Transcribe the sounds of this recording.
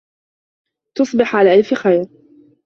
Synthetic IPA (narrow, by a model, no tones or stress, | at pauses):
t̪ʊsˤbɪħʕalaːʔalfxajɾ